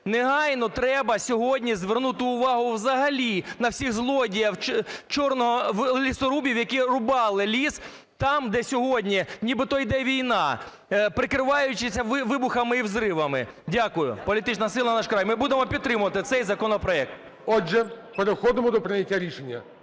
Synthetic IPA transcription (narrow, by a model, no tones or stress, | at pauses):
neɦɑjnɔt̪ɾɛbɐsʲɔɦɔdʲnʲizʋernut̪ɪʊʋɑɦʊwzɐɦɐlʲinɐwsʲiɣzlˠɔdʲijɐwt͡ʃɔrnɔɦɔwlʲisɔɾubʲiwjɐkirʊbɑlˠɪlʲis | t̪ɑmd̪ɛsʲɔɦɔdʲnʲinʲibɨɪt̪ɔjid̪ɛʋʲijnɑ | pɾɪkɾɪʋɑjʊt͡ʃɪsʲɐʋɪʋɪbʊxɐmɪiwzɾɪʋɐmɪ | dʲakʊjʊ̰pɔlʲit̪ɪt͡ʃnɐsɪlˠɐnɐnɑʃkɾɑjmɪbud̪emɔpʲid̪̚t̪ɾɪmʊʋɐt̪ɪt̪sɛjzɐkɔnɔpɾɔɛk̚t̪̚ | ɔʒɛpeɾɪxɔd̪ɪmɔd̪ɔpɾɪnʲɐtʲːaɾʲiʃenʲːɐ